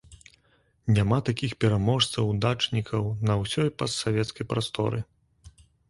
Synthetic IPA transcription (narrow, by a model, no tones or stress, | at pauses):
nʲamat̪akʲixpʲɛɾamɔʂt̪sɐwd̪at͡ʂnʲikʰɐwnɐwsʲɔjpɐsːavʲɛt̪skɐjpɾast̪ɔ̰ɾɨ